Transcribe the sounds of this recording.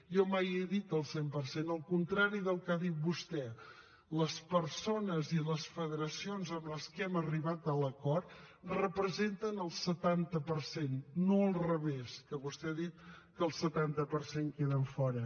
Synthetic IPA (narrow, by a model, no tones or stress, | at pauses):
jɔmajɛðit̪əlˠsempəɾsenəlˠkunt̪ɾaɾiðəlˠkaðit̪̚bust̪ɛ | ləspəɾsonəziləsfəðəɾəsionzəmləskɛməriβat̪̚ələkɔrt̪ | rəpɾəzent̪ənəlˠsət̪ant̪əpəɾsenːoəlˠrəβeskəβust̪ɛaðit̪̚kəlˠsət̪ant̪əpəɾseŋkeðəɱfɔɾə